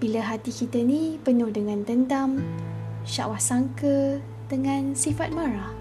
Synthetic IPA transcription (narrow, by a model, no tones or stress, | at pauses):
b̥ilaɦat̪ikit̪ənĩpənʊhdəŋãnt̪ənd̪am | ʃa̰ʔwahsaŋkə | dəŋãnsifat̪̚maɾah